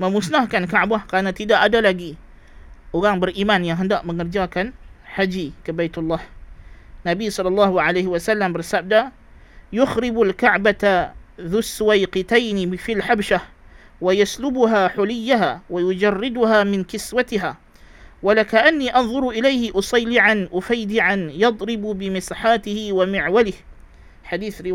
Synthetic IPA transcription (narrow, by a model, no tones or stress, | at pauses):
məmʊsnahkankaʕbahkaːnat̪ːidaʔadalaɡi | ʔoɣaŋbəɾʔiːmanjaŋɦəndaʔməŋərd͡ʒakanħad͡ʒikabajt̪ʊlˤːaːh | nabisˤɑlːɑlːɑːhuʕalajhwasalːambərsab̚da | jʊxɾɪbalkaʕbat̪aðʊsːwajqɪt̪ajnɪfilħabʃah | wajaslʊbʊɦaːħʊlɪjːaɦaːwajʊd͡ʒɑrˤːɪd̪ʊhaːmɪnkɪswat̪ɪɦaː | walakaʔanːiːʔɑnðˤʊɾʔɪlajhɪʔʊsˤɑjlɪʕanʔʊfajd̪ɪʕanjɑd̪ˤɾɪbbɪmɪsħaːt̪ɪhɪwamɪʕwalɪh | ħad̪iːθɾɪ